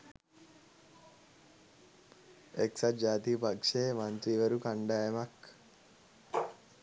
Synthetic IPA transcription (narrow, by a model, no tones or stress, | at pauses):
eksad͡ʒaːt̪iːpakʂeːmant̪ɾiʋəɾukaɳɖaːjemak